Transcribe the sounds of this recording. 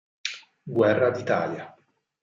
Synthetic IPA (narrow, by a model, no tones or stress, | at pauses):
ɡwɛrːad̪it̪a̰ːlja